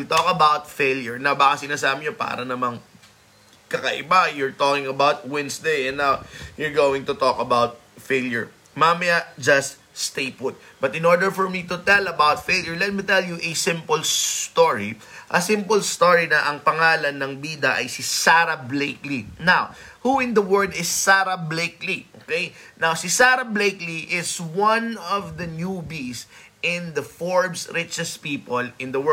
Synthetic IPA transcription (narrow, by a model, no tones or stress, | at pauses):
t̪ɔkɐbawt̪fejljʊɹnɐbaːkɐsɪnaːsaːbɪɲopa̰ːɾɐnɐmɐŋ | kɐkɐʔɪbajʊɹt̪ɔkɪŋɐbawt̪̚wɛ̃nsd̪ejɛ̃nːawjʊɹɡowɪ̃ŋt̪ʊt̪ɔkɐbawt̪̚ | feɪljʊɹ | mamɐjɐd͡ʒɐst̪̚ | st̪ejpʊt̪̚b̥ɐt̪ɪ̃nɔɹd̪ɛɹfɔɹmit̪ʊt̪ɛlɐbawt̪fejljɔɹlɛt̪̚mit̪ɛljuʔɛsɪ̃mpʊlst̪ɔɹḭ | ʔɐsɪ̃mpʊlst̪oɹinɐʔɐŋpɐŋaːlɐnːɐŋbiːd̪ɐʔɐjsisaɾɐbleɪklinawhuɪ̃nd̪ɐwɜ˞d̪ɪsːaɾɐbleɪklio̰kejnawsisaɾɐblejkliʔɪswɐ̃nɔvd̪ɐnjubisʔɪ̃nd̪ɐfɔɹbsɹɪt͡ʃɛspiːpɔlɪ̃nd̪ɐwɜ